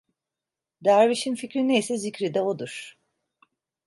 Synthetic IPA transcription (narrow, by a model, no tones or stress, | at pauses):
d̪æɾviʃinficɾinejsɛzicɾid̪ɛod̪uɾ̥